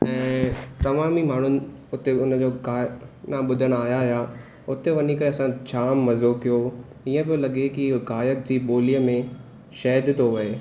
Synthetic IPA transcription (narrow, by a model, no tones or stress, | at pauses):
ɛ̃ːt̪ɐmaːmimaːɳ̤ʊnɪ̆ | ʊt̪eʊnə̆d͡ʑoːɡaːnãɓʊd̪ʱəɽ̃aːɦjaɪja | ʊt̪eʋɐnikɐɾeɐsãt͡ɕʰaːmːɐzokijo | iːə̃pijolɐɠekiɡaːjək̚d͡ʑiːɓoːlijəmẽ | ʃɛːɦd̪t̪oʋɐeː